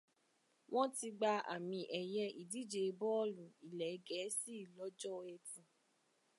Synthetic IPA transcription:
w̃ɔ̃˦ti˧ɡ͡ba˧a̰˨mĩ˧ʔɛ˨jɛ˧˦ʔi˨di˨˦d͡ʒe˨˧bɔ˦lũ˨i˨lɛ˨˦ɡɛ˨˦si˦˨lɔ˨˦d͡ʒɔ˦ɛ˧tũ˨

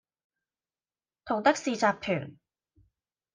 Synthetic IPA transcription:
t̪ʰo˨˩ŋt̪ɐ˥k̚siː˨˧t͡saː˧p̚k̪ʰœː˨˩ŋ

